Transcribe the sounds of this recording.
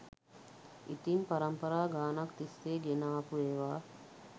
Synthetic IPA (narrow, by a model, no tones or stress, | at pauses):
it̪impɐɾəmpəɾaːɡaːnɐkt̪ist̪eːɡenaːpueːʋaː